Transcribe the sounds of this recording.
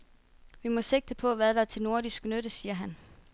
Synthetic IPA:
ʋimɒ̽se̝ɡ̥̚d̥əpʰɒ̽ʋæðˠdɑ̈æɐt͡sʰe̝lno̝ɐɾisɡ̥nøɾ̥əsiːɐɦæn

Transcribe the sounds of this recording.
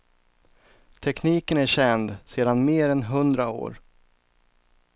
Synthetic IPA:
t̪ʰɛkniːkənæɾɕɛnd̪seːd̪anmeːɾɛnɦɵnd̪ɾao̰ːɾ

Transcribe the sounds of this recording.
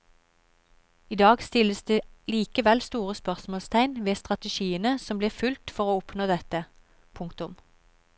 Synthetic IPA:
iːd̪ɑːɡst̪ɪləsd̪eːliːkəʋɛlst̪uːʁəspœʁsmoːlst̪ʰæɪnʋeːst̪ʁɑt̪əʃiːənəsɔmbliːʁfʉlt̪fɔʁoːʊpnoːd̪ɛt̪ə | pʰʊŋkt̪ʊm

